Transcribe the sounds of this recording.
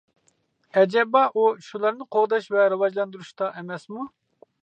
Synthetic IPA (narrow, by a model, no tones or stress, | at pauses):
ɛd͡ʒɛbɑʔuʃulˠɑɾnɨqʰoʁd̪ɑʃvɛɾɨwɑd͡ʒlˠɑnd̪uɾuʃt̪ɑʔɛmɛsmu